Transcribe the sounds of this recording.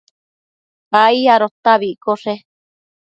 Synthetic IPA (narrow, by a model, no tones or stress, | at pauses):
aiaɾot̪aβiʔkoʂe